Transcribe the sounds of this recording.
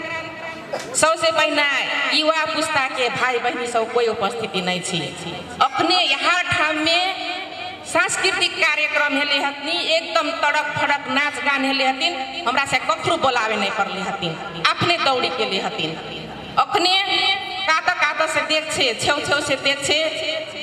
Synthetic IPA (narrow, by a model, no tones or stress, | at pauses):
səbsebəɦinaiwapust̪akebʱajbəɦimisəbkoiupəst̪ʰit̪inəjt͡ʃʰḭ | əkʰnejəɦaʈʰamːe | sãnskɾit̪ikːaɾjəkɾəmɦeleɦət̪niek̚d̪əmt̪əɽək̚pʰəɽəknat͡ʃɡanɦeleɦət̪inɦəmɾasẽbkək̪ʰɾobolaβenəjpəɾleɦət̪in | apʰned̪əwɽikeleɦət̪in | əkʰne | kat̪əkad̪əsẽd̪ek̚ʰt͡ʃʰet͡ʃʰewt͡ʃʰewsed̪ek̚ʰt͡ʃʰe